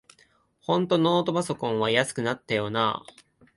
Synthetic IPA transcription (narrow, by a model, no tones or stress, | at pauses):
hõ̞nt̪o̞no̞ːt̪o̞baso̞kõ̞ɰ̃βajasɨ̥kɯ̟nat̪ːajo̞na̰ː